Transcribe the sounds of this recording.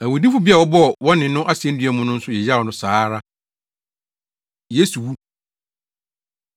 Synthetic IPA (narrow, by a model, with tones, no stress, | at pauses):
æ˨wʊ˨di˦fʊ˦bi˦a˨wɔ˦bɔ˦˨wɔ̃˦nɪ̃˨nʊ̃˦ʔa˦si˨ɛ̃˦n̩˦dɥɛ˦mʊ̃˦nʊ̃˦n̩˦sʊ˦jɛ˨ja˦˨ɔ˨nʊ̃˦saː˦ɾa˦ | je˦su˨wu˦